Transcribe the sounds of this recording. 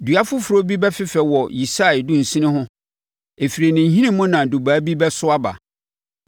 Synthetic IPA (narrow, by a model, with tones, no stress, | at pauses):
dɥa˦fʊ˦fʊ˨ɾo˦bi˦bɛ˦fɪ˦fɛ˨wɔ˨ji˨sa˦˨ɪ˨dʊ̃˦n̩˨sĩ˦nɪ̃˦ɦʊ̃˦ | e˨fi˨ɾe˨nɪ̃˨n˨ɦĩ˦nɪ̃˦mʊ̃˦nã˨du˨baː˨˦bi˦bɛ˦sʊ˦a˦ba̰˨